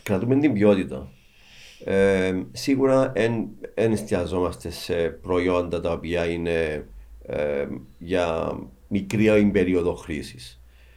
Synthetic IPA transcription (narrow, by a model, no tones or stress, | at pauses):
kɾɐt̪ume̞nt̪imbjo̞t̪it̪ɐ̰ | esiɣuɾɐenenest̪iɐzo̞mɐst̪e̞se̞pɾo̞io̞nd̪ɐt̪ɐopiɐine̞ | ḛʝɐ | mikɾioimbe̞ɾio̞ðo̞xɾisi̥s